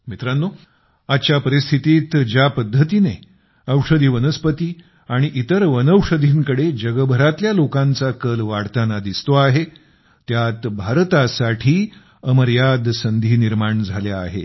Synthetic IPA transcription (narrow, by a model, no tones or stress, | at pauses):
mit̪ɾanːo | at͡ɕjapəɾist̪ʰit̪iːt̪d͡ʑjapəd̪ʱːət̪ine | əwʂəd̪ʱiːʋənəspət̪iː | aɽ̃iʔit̪əɾʋənəwʂəd̪ʱiːŋkəɽed͡ʑəɡəbʱəɾat̪ljalokãnt͡sakəlʋaɽt̪anad̪ist̪oaɦe | t̪jat̪bʱaɾt̪asaʈʰiː | əməɾjad̪sənd̪ʱiːniɾmaɳd͡zʱaljaːɦḛ